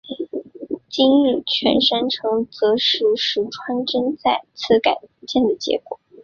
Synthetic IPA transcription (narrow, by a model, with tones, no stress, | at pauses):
t͡ɕi˥ŋ̩˥˩t͡ɕʰɥɛ̰˧˥nʂa˥nʈ͡ʂʰɤ˧˥ŋt͡sɤ˧˥ʂɻu˧˥ʂɻu˧˩ʈ͡ʂʰwa˥nʈ͡ʂə˥nt͡sa˥˩ɪt͡sʰɹ̩˥ka˨˩ɪt͡ɕjɛ˥˩nd̪ə˩t͡ɕjɛ̰˧˥kwɔ̰˨˩˦